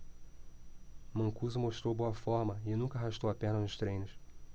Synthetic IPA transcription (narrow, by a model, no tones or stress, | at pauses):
mɐ̃kuzʊmoʃt̪ɾowboɐfɔɾmɐɪnũkɐaɦaʃt̪owɐpɛhnɐnʊʃt̪ɾẽj̃nʊʃ